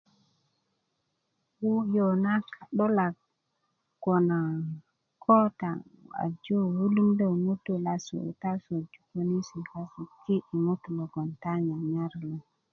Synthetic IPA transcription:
wu˦jo˨na˦ka˨ɗo˦la˨k | ɡo˨na˨ | kʰo˦ta˨a̰˨d͡ʒo˦wu˦lu˦mdo˦˨mu˦tu˨la˨sṵ˨ta˦so˨d͡ʒu̥˨˦ko˦ni˦si˨ka˦su˨ki˦ʔi˨mu˦t̪lo˨ɡo˨nta˦ɲa˨ɲa˦ɾlo˨

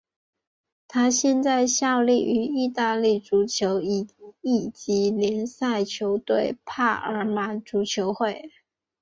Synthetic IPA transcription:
t̪ʰa˥ɕjɛ˥˧nt͡sa˥˧ɪɕjɑ˥˧ʊli˥˩ʔy˧˥i˥˧t̪a˥˧li˥˩ʈ͡ʂu˧˥t͡ɕʰjo˧˥ʊi˨˩i˨˩t͡ɕi˧˥ljɛ˧˥nsa˥˩ɪt͡ɕʰjo˧˥ʊt̪we˥˧ɪpʰa˥˩ʔə˞˧˥ma˨˩˦ʈ͡ʂu˧˥t͡ɕʰjo˧˥ʊxwe˥˩ɪ

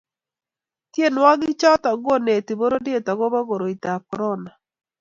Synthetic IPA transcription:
tje˦nwa˦ɡɪ˦t͡ʃɔ˦ta˨ɡo˦ne˨ti˨bo˦ɾo˦dje˦˨ta˨ɡo˦ba˦ɡo˨ɾo˨i˨ta˨kɔ˨ɾɔ˦na˨

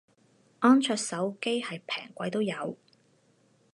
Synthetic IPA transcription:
ʔɔː˥nt͡ʃʰœː˧k̚sɐ˨˥wke˥jhɐ˨jpʰɛː˨˩ŋkʷɐ˨˥jt̪o˥wjɐ˨˧w

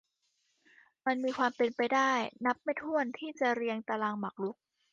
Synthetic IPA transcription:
ma˧nmiː˧kʰwaː˧mpe˧npa˧jdaː˥˩jna˦˥p̚ma˥˩jt̪ʰu˥˩ənt̪ʰiː˥˩t͡ɕa˨˩ɾi˧əŋt̪aː˧laː˧ŋma˨˩k̚lu˦˥k̚

